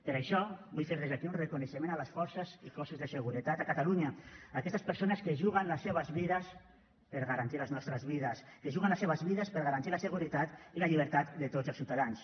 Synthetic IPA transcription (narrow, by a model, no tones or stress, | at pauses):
pəɾaʃɔβujfeɾðezakiunrekunəʃəmenaləsfɔɾsəzikɔsuzðəsəɣuɾət̪at̪akat̪aluɲəːkɛst̪əspəɾsonəskəʒuɣənləsːeβəzβiðəs | pəɾɣaɾant̪iləznɔst̪ɾəzβiðəskəʒuɣənləseβəzβiðəspəɾɣaɾant̪iləsəɣuɾit̪at̪iləʎiβ̞əɾt̪at̪d̪ət̪od͡zəlˠsiwt̪aðans